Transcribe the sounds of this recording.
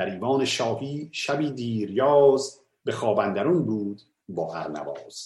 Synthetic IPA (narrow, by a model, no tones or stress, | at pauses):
æɾiːvɒːneʃɒːhiːʃæbiːd̪iːɾjɒːz | bexɒːbænd̪æɾunbuːd̪ | bɒːʔæ̰ɾnæ̰vɒːz̥